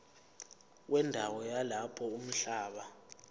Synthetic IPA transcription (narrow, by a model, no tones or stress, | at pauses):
wʔɛndʱawɔjalapʰɔum̩ɬaːɓa